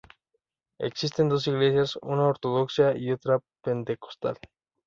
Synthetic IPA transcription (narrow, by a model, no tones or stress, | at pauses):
e̞̰ksis̬t̪e̞nd̪o̞s̬iɣle̞sjasṵnaoɾt̪o̞ð̞o̞ksjaio̞t̪ɾape̞nt̪e̞ko̞̥st̪a̰l